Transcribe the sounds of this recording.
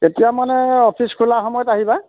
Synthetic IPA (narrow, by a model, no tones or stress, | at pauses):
etijamanɛɔpʰiskʰulaxɔmɔjɔtaɦiba